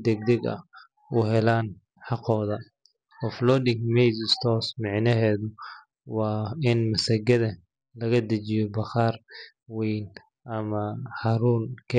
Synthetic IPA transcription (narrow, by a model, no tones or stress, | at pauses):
d̪ɛɡ̚d̪ɛɡɐ̰ | ʊɦɛlaːn | ħɑqɔːðɐ | ɔflɔd̪ɪŋkmɛjsɪst̪ʰɔːsmɑʕnɐɦɛːðʊ | wɑːɪnmɐsɐɡɐðɐ | lɐɣɐd̪ɐt͡ʃɪjɔbɐχɑːr | wɛjn | ʔɐmɐhɐɾuːnkʰɐ